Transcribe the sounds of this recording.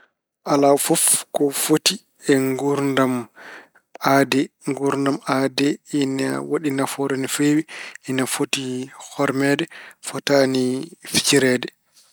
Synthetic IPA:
ʔalafɔfkɔfoti | ɛŋɡuɾndam | adɛŋɡuɾndamadɛina̰waɗinafɔɾɛnifewiinafotihɔɾmɛdɛfɔtanifi̥t͡ʃiɾɛdɛ

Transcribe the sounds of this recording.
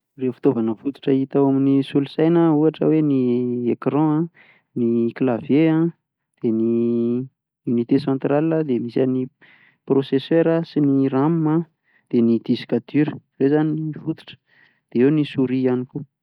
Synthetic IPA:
refi̥t̪ovanəfut̪u̥ʈ͡ʂəit̪awaminisulusajnəuaʈ͡ʂə̰weniekrɔ̃ã | niklavjeã | d̪̥eni | unit̪esɑ̃nt̪ɾaliəd̪emisani | prosesøɾəsinirammã | d̪̥enid̪̥isi̥kat̪yɾəvezaniifut̪u̥ʈ͡ʂə̥ | d̪̥eewnisuɾianiku

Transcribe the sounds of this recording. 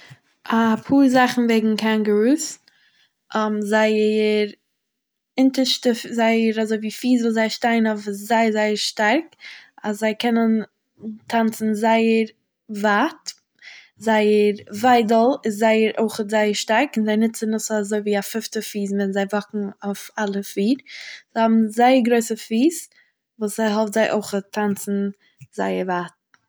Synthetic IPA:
apʰuːɾzaχn̩veɪɡŋ̩kʰanɡəɹuːs | mzaɪəəɾ | ɪntəʃtəzaɪəɾazoɪviːfiːzvuːzaɪʃtaɪnɔfɪszaɪəɾzaɪəɾʃtaɾkaszaɪkʰɛnən | tʰant͡sn̩zaɪəɾ | vaːt | zaɪəɾvaɪdəlˠɪszaɪəɾo̰ɪχətzaɪəɾʃtaɾkɪnzaɪnɪt͡sənʊs̩ˠazoɪviːafɪftəfiːsmɪnzaɪvɔkŋ̩aʊfalˠəfiːɾz̥aɪhɔbm̩zaɪəɾɡɾoɪsəfiːs | vuːsaɪɦɔftz̥aɪʔo̰ɪχətʰːant͡sn̩ | zaɪəɾvaːt̚

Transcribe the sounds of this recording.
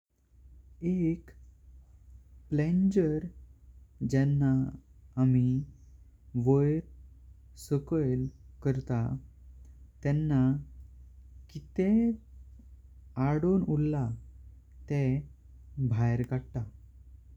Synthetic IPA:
ek | plend͡ʑəɾ | d͡ʑɛnːaː | mi | ʋəjɾ | səkəjlkəɾt̪a | t̪ɛnːa | kit̪e | aɽonulːa | t̪ɛ | bʱajɾkaɽt̪a

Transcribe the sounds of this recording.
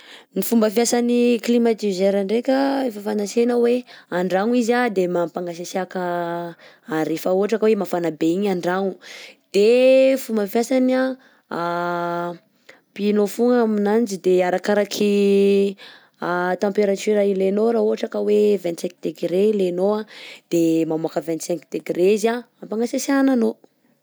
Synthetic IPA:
nifumbəfjasaniklimat̪izeɾaɳɖ͡ʐekʲəefəfanasenəweaɳɖ͡ʐaŋuizad̪emampaŋɡasasakə | aɾefauɦaʈ͡ʂakəwemafanabeiɲaɳɖ͡ʐaŋud̪̥efumbəfjasana | pinofuŋaminand͡ʒid̪eaɾakaɾakʰi | at̪ãmpeɾat̪yɾailenoɾaɦuɦaʈ͡ʂakəwevɛ̃nt̪sɛ̃k̚d̪eɡɾelenoad̪̥emamuakəvɛ̃nt̪sɛ̃ŋkd̪̥eɡreizaampaŋɡasasanano

